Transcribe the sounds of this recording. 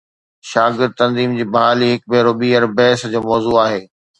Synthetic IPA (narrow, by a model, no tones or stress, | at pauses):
ʃaːɡɪɾd̪̚t̪ɐ̃nziːmd͡ʑiːbɐɦaːliɦɪk̚beːɾoːbiːɐɾbɛːsd͡ʑoːmɔːzuːaːɦeː